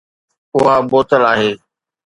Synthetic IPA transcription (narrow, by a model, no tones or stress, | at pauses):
ʊɦaboːt̪əlaːɦeː